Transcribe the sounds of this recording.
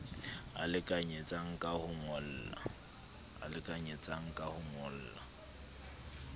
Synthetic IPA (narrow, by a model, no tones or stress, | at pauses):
a̰lɪkʼaɲet͡sʼaŋ̩kʼahʊmʊl̩ːla̰ | a̰lɪkʼaɲet͡sʼaŋ̩kʼahʊmʊl̩ːla̰